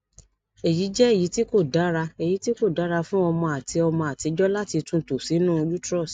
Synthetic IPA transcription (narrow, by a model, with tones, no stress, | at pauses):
e˨ji˨˦d͡ʒɛ˦e˦˨ji˨˦ti˦ko˦˨da˨˦ɾa˧e˨ji˨˦ti˦ko˦˨da˨˦ɾa˧fũ˦ɔ˧mɔ̃˧a˨tʰi˧ɔ˧mɔ̃˧a˨ti˨˧d͡ʒɔ˦la˦ti˧tũ˦˨to˨si˨˦nũ˦o˧d͡ʒu˦tɾɔ˦˨s